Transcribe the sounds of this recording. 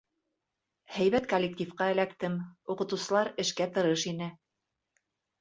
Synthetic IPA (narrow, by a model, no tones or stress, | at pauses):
hæjβæt̪kolʲːek̚t̪ʲifqɑɘ̆lækt̪ɘmuqɤ̆t̪ɤ̆wsɤ̆lˠɑɾɘ̆ʃkæt̪ɤ̆ɾɤʃinɘ